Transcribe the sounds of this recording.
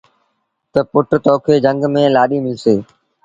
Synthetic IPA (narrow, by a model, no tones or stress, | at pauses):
t̪əpʊʈt̪ɔːkʰeːd͡ʒə̃ŋɡmẽːlaːɗiːmɪlseː